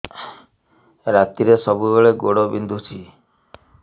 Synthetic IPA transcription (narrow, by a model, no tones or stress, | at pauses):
ɾat̪iɾesɔbubeɭeɡoɽobind̪ʱut͡ʃʰi